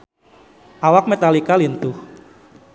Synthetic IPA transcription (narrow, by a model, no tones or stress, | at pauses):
ʔawak̚met̪alikalint̪ʊh